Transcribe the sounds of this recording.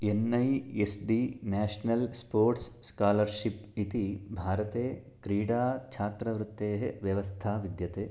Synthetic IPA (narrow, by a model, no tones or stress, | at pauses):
enːɐjesɖinaːʃnɐlspoːɾʈsːkaːlɐɾʃipit̪ibʱaːɾɐt̪eː | kɾiːɽaːt͡ʃʰaːt̪ɾɐʋɾut̪ːeːɦeʋjɐʋɐst̪ʰaːʋid̪jɐt̪eː